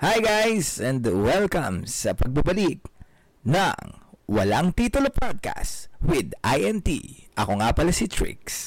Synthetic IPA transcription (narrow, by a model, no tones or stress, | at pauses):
hajɡajsɛ̃nd̪ɐwɛlkɐ̃msɐpɐɡ̚bɐbɐlik̚ | nɐ̰ŋwɐlaŋt̪iːt̪ʊlopʰad̪̚ka̰st̪wɪd̪ʔajʔɛnt̪ḭʔɐko̞ŋapɐlɐsit̪ʰɹɪ̰ks